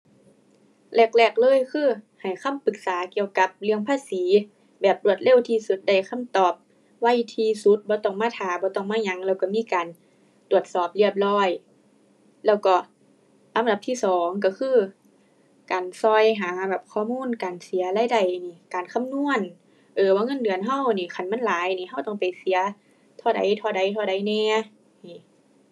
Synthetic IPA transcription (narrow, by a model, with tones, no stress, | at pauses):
lɛː˧˩k̚lɛː˧˩k̚lɤː˧˥˨jkʰɯː˧˥˨ | ha˨˩jkʰa˧˥˨mpɯ˧k̚saː˨˦ki˧˨əwka˧˦p̚lɯ˧əŋpʰaː˧˥˨siː˨˦ | bɛː˨˩p̚tlu˧˩ət̪̚le˧˩˨wt̪ʰiː˧su˧˦t̪̚da˧˩jkʰa˧˥˨mt̪ɔː˨˩p̚ | wa˧˥˨jt̪ʰiː˧˩su˧˦t̪̚bɔː˧˦t̪ɔ˧˩ŋmaː˧˥˩t̪ʰaː˨˩bɔː˧˦t̪ɔ˧˩ŋmaː˧˥˨ɲa˧ŋlɛː˧˩wkɔ˧˩miː˧˥˨kaː˨n | t̪u˨˩ət̪̚sɔː˨˩p̚li˧˩əp̚lɔː˧˥˩j | lɛː˧˩wkɔː˧˩ | la˨˧˦da˧˦p̚t̪ʰiː˧˥˩sɔː˨˦ŋk̬a˧˩kʰɯː˧˥˩ | kaː˨˩nsɔ˧˩jɦaː˨˦bɛː˨˩p̚kʰɔː˧˨muː˧˥˨nkaː˨nsi˨˦ɐlaː˧˥˨jda˧˩jniː˧˩kaː˨nkʰa˧˥˨mnu˧˥˨ə˨n | ʔɤː˨˩waː˧˨ŋɤ˧˥˨ndɯ˨ənɦa˧˩˨wniː˧˩kʰa˧˩nma˧˥˨nlaː˨˦jniː˧˩ɦa˧˩wt̪ɔ˧˩ŋpa˨jsi˨˦ɐ | t̪ʰɔː˧˩da̰˨jt̪ʰɔː˧˩da˨˦jt̪ʰɔː˧˩ɾa˨˦jnɛː˧˩ | niː˧˩